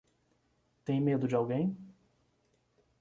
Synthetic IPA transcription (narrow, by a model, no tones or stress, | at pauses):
t̪ẽj̃med̪ʊd͡ʒɪawɡẽj̃